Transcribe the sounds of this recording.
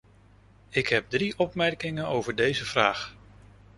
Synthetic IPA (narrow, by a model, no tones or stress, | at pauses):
ɪkɦɛp̚driʔɔpmɛɹkɪŋənowvəɹdejzəv̥raːχ